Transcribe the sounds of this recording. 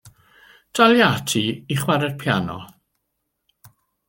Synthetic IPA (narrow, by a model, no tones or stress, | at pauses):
d̥aljatʰiiχwaɾɛd̥̚pʰjanɔ̰